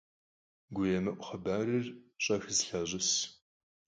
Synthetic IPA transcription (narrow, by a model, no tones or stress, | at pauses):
ɡʷʊjɛmɐʔʷʊχəbaːrɨrɕʼɐxzɬɐʑɪs